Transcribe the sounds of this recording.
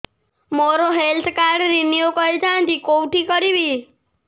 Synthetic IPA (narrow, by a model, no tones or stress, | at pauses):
moɾoɦelt̪ʰkaɾɖɾinijokɔɾed͡ʒat̪ikowʈikɔɾibi